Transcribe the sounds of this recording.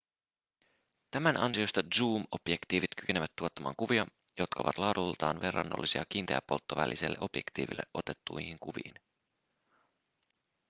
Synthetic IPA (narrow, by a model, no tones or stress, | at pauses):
t̪æmænɑnsio̞st̪ɑdzuːmo̞b̥jekt̪iːʋit̪k̟y̥ke̞neʋæt̪ːuo̞t̪ːɑmɑ̰ːŋkuʋiɑ | jo̞t̪kʰɑo̰ʋɑt̪lɑːdult̪ɑːnʋe̞rːɑnːolːisiɑk̟iːnt̪ḛæ̰pːo̞lt̪ːoʋæ̰lʔiselːe̞ʔo̞pje̞kt̪iːʋilːe̞̰ʔo̞t̪e̞t̪ːujhiŋkuʋḭːn